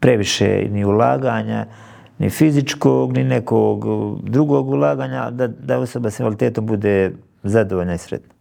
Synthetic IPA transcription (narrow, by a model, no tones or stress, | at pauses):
pɾe̞ʋiʃḛniulˠa̰ːɡaːɲa̰ | nḭfizit͡ʃkoɡninekoɡd̪ɾuɡoːɡulˠaːɡaːɲad̪ad̪ao̞sobasinfalit̪eːt̪o̞mbud̪eː | zad̪oʋoʎnaisɾḛt̪na